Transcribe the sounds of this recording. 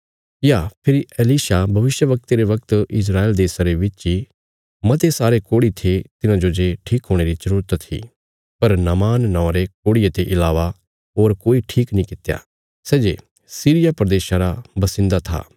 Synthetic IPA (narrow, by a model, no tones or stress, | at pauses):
japʰɪɾieliːʃabʱɐʋɪʃjəʋɐk̚t̪eɾeʋɐk̚t̪ɪs̬ɾaːeːld̪eːsaɾeʋɪt͡ʃi | mɐt̪esaːɾekoːɽit̪ʰet̪ɪnãd͡ʒod͡ʒeʈʰiːkɦoːɽ̃eɾit͡ʃɐɾuːɾət̪t̪ʰːḭ | pɐɾnɐmaːnːɔ̃ːɾekoːɽijet̪eʔɪlaːʋa | ɦoːɾkoːiʈʰiːknĩkɪt̪ja̰ | sɛːd͡ʒe | siːɾɪjapɾəd̪eːʃaɾabɐsɪ̃nd̪at̪ʰa̰ː